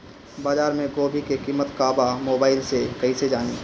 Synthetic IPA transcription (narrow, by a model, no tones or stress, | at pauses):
baːd͡ʒaːɾmẽɡoːbʱikekiːmət̪kaːbamoːbaːɪlsekɐɦised͡ʒaːniː